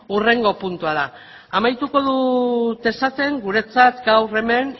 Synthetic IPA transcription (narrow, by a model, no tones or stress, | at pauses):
ure̞ŋɡo̞punt̪uað̞aː | majt̪uko̞ðut̪e̞stat͡se̞ŋɡuɾe̞t͡sat̪ɡawre̞me̞n